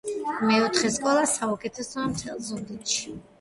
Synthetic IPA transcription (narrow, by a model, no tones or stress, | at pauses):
mɛɔt̪ʰχɛskʼɔlˠasaukʼɛt̪ʰɛsɔamt̪ʰɛlˠzud̪it̪ʃi̥